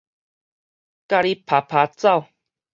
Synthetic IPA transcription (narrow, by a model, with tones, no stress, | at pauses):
ka˧ɾi˧pʰa˨pʰa˨˧˦t͡sa˥˧˨w